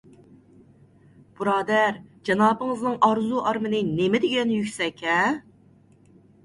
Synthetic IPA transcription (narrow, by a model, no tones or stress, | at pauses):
b̥uɾɑːd̪æɾd͡ʒɑnɑːpɨŋɨznɨŋʔɑɾzuʔɑɾmɨnɨnemɪd̪ɪɡʲɛnjykʲsɛkʲʰɛ